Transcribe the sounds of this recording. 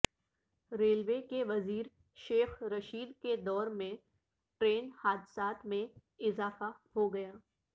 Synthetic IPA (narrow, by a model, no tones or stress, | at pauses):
ɾeːlʋeːkeʋɐziːɾ | ʃeːxɾɐʃiːd̪ked̪ɔːɾmẽ | ʈɾeːnhaːd̪ɪsaːt̪mẽɪzaːfahoɡɐjaː